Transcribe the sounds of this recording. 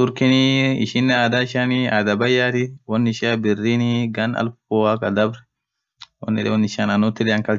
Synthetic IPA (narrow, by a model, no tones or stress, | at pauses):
ʊɾkɪniɪ̰ʃɪnːɛaːd̪aɪʃaːniaːd̪ɐbɐjːaːt̪ɪwɔnːɪʃaːbɪrːiːniɡɐnɐ̰lfoːakɐd̪ɐbɾɛ̥ | wɔ̰nːɪᶑɛ̰wɔnːɪʃanɐnʊt̪ːɪᶑɛɐŋkɐl